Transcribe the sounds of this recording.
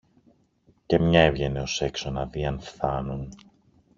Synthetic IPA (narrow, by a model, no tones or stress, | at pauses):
ce̞mɲɐe̞vʝe̞ne̞o̞se̞kso̞nɐðiɐnfθɐnun